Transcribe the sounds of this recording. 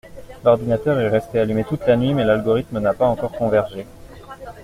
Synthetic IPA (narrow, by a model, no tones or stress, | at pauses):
lɔʁd̪inat̪œʁɛʁɛst̪ealymet̪ut̪lanɥimɛlalɡɔʁit̪mənapaɑ̃kɔʁkɔ̃vɛʁʒe